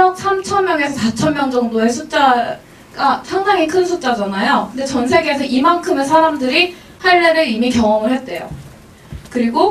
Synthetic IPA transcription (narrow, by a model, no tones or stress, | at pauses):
ʌk̚s͈ʰamt͡ɕʰʌnmjʌŋe̞sʰʌsat͡ɕʰʌnmjʌŋd͡ʑʌŋdoe̞sʰut͡ɕ͈a | ɡasʰaŋdaŋikʰɯnsʰut͡ɕ͈ad͡ʑanajokɯnde̞t͡ɕʌnsʰe̞ɡeːs̬ʰʌʔimankʰɯme̞s̬ʰaɾamdɯɾi | haɭːeɾɯimikjʌŋʌmɯɭhe̞t̚t͈e̞jo̰ | kɯɾiɡo